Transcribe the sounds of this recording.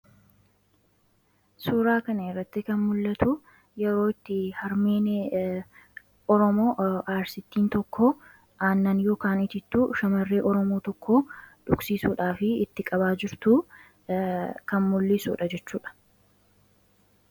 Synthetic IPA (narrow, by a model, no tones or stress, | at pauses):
suːɾaːkɐnɐɛrːɐt̪ːɪkɐnmʊlːɐt̪ʊ | jɛɾoːɪt̪ːɪhɐɾmeːn | ɔɾɔmo̞ːʔaːɾsɪt̪ːiːnt̪ɔkʰːɔ | ʔaːnːɐnjo̞ːkaːnɪt̪ɪt̪ːuːʃɐmɐrːeːʔɔɾɔmoːt̪ɔkʰːoːᶑʊksiːsuːᶑaːfɪɪt̪ːɪkʼɐbaːd͡ʒɪɾt̪uː | kɐnmʊlːɪsṵːᶑɐd͡ʒɛt͡ʃːuːᶑɐ̥